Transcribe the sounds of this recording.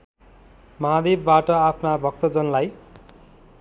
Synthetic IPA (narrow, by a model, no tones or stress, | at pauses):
mʌɦad̪ebːaʈʌapʰnabʱʌk̚t̪ʌd͡zʌnlaj